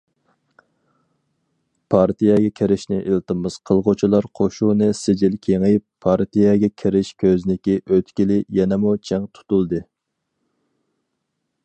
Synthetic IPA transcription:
pʰɑɾt̪ʰijɛɡʲɛkʲʰeɾɪʃnɪʔilˠt̪ɨmɨz̥qʰəlˠʁot͡ʃʰilˠɑɾqʰoʃunɨsɪd͡ʒɪlkʲʰeŋɪjpʰːɑɾt̪ʰijɛɡʲɛkʲʰeɾɪʃkʲʰøznɪkʲiʔøt̪kʲilɪjɛnɛmut͡ʃʰɛŋt̪ʰu̥t̪ulˠd̪ɨ

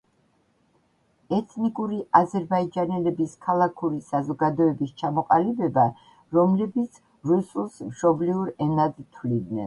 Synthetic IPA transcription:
ɛt̪ʰnikʼuɾiʔazɛɾbaid͡ʒanɛlɛbiskʰalˠakʰuɾisazɔɡad̪ɔɛbist͡ʃʰamɔqʼalibɛba | ɾɔmlɛbit̪sʰ | ɾusulˠsmʃɔbliuɾɛnad̪t̪ʰwlid̪nɛ̰n

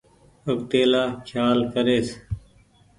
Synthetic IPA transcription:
ək̚t̪eːlaːkʰjaːlkʰəɾeːs

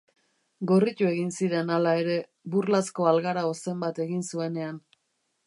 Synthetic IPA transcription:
ɡo̞rit̪ue̞ɣinsiɾe̞nalae̞ɾe̞ | burlasko̞alɣaɾaose̞mbat̪e̞ɣinsue̞ne̞an

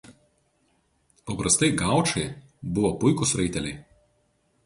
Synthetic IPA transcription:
pɐpɾɐst̪ɐɪɡɑˑʊt͡ʃɐɪ | bʊʋɔpʊɪkʊsɾɐɪt̪ʲɛlʲɛɪ

